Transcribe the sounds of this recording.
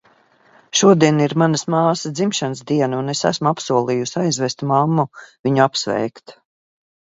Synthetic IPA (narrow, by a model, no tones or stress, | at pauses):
ʃuɔd̪iɛniɾmanɐsmaːsəd̪zimʃanəsd̪iɛnaunesæ̰smuapsuɔlˠiːjusʲajzvɛst̪mamːuviɲuapsvɛ̰jkt̪